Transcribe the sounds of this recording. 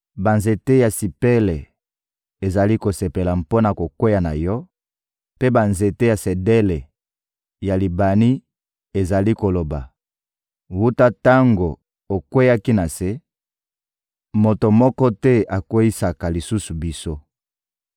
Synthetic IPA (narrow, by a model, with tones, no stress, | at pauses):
ba˨nze˨te˦ja˨si˨pe˦le˨ | e˨za˨li˦ko˨se˨pe˨la˨mpo˦na˨ko˨kwe˦ja˨na̰˨jɔ˦ | pe˦ba˨nze˨te˦ja˨se˨de˦le˨ | ja˨li˨ba˨ni˦ | e˨za˨li˦ko˨lo˨ba̰˨ | wu˦ta˦ta˦ŋɡo˨ | o˨kwe˦ja˦ki˦na˨se˦ | mo˨to˨mɔ˦kɔ˦tɛ˦a˨kwe˦ji˦sa˨ka˨li˨su˦su˨bi˦so˦